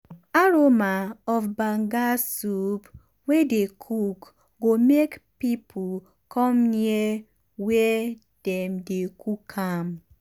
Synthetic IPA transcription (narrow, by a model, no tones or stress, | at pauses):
aɾomaɔfbaŋɡasup | wedekʰuk | ɡomekpipʰu | kʰɔmnie | we | d̥ɛm̩dekukʰam